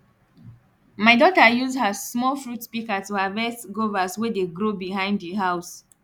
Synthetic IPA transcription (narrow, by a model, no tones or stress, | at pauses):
maɪdɔtəjuzdhəsmɔlfɹutspikatuavɛsɡovaswɛdeɡɹobiɦãɪ̃ndðiɦaʊs